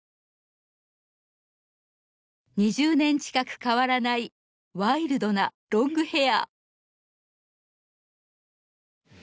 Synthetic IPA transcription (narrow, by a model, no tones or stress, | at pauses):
ɲ̟iʑɨːnẽ̞ɲ̟t͡ɕi̥kakɯ̟̥kaβaɾanai | βaiɾɯ̟d̪o̞na | ɾõ̞ŋɡɯ̟he̞a̰